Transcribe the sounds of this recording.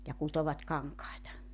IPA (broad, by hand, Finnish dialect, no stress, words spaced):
jɑ kutoʋɑt kɑŋkɑetɑ